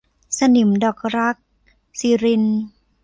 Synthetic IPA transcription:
sa˧nu˩˦mdɔː˨˩k̚ɾa˦˥k̚ | siː˧ɾi˧n

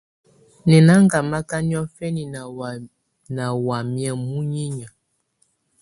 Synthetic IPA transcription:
nɛ˨na˦ŋ˦ɡa˨ma˦ka˦ni˦ɔ˦fɛ˦ni˨ | na˨wa˨mjɛ˦mu˦ɲi˦ɲa˨

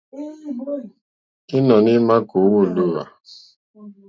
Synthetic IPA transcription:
ɪ˦nɔ˨nɪ˦ma˦ko˨wo˦˨lu˦˨a̰˨

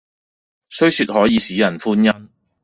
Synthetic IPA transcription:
sɵ˥ɥsyː˧t̚hɔː˨˥jiː˨˧siː˨˥jɐ˨˩nfuː˥njɐ˥m

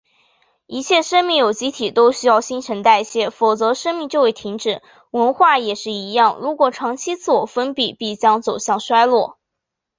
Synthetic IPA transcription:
i˧˥t͡ɕʰjɛ˥˩ʂə˥nmi˥˩ŋjo˨˩ʊt͡ɕi˥t̪ʰi˨˩t̪o˥ʊɕy˥jɑ˥˩ʊɕi˥nʈ͡ʂʰə˧˥ŋt̪a˥˧ɪ˥˩ɕjɛ˥fo˨˩t͡sɤ˧˥ʂə˥nmi˥˧ŋt͡ɕjo˥˧we˥˩ɪt̪ʰi˧˥ŋʈ͡ʂɻ̩˨˩˦ | wə˧˥nxwa˥˩jɛ˨˩ʂɻ̩˥˩i˧˥jɑ˥˩ŋɻu˧˥kwɔ˨˩ʈ͡ʂʰɑ˧˥ŋt͡ɕʰi˥t͡sʰɹ̩˥˩wɔ˨˩fə˥npi˥˩pi˥˩t͡ɕjɑ˥ŋt͡so˨˩ʊɕjɑ˥˩ŋʂwa˥ɪlwɔ˥˩

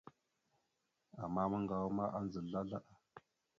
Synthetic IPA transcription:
a˨mːa˦mə˦ŋɡa˨wu˦ma˦ʔa˦nzə˨ɮa˦la˦ʔa˨

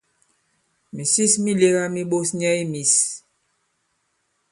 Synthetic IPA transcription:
mi˨si˦smi˦le˦ɣa˦mi˦ɓo˦sɲɛ˦i˦mi˨s

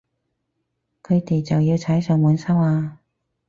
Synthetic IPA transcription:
kʰɵ˨˧ɥt̪e˨jt͡sɐ˨wjiː˧wt͡sʰɐ˨˥jsœː˨˧ŋwuː˨˥nsɐ˥waː˧

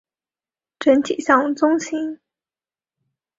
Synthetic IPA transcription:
ʈ͡ʂə˧˥nt̪ʰi˨˩ɕɑ˥˩ŋ˩t͡sʊ˥ŋɕi˧˥ŋ

